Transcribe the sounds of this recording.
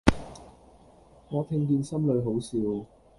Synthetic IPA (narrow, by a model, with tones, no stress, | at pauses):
ŋɔː˨˧t̪ʰɪ˧ŋk̬iː˧nsɐ˥mlɵ˨˧ɥɦo˨˥wsiː˨˧w